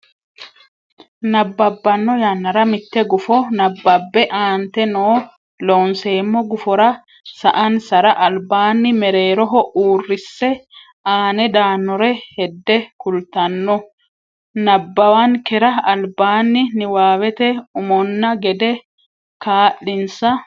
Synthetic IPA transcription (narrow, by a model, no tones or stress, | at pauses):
nɐbːɐbːɐnːɔjɐnːɐɾɐmɪt̪ːɛɡʊfɔnɐbːɐbːɛʔaːnt̪ɛnoː | loːnseːmːɔɡʊfɔɾɐ | sɐʔɐnsɐɾɐʔɐlbaːnːɪmɛɾe̞ːɾɔɦɔʔuːrːɪsːɛ | aːnɛd̪aːnːɔɾɛhɛd̪ːɛkʊlt̪ɐnːɔ | nɐbːɐwankɛɾɐɐlbaːnːɪnɪwaːwɛt̪ɛʊmɔnːɐɡɛd̪ɛ | kaːʔːɪnsɐ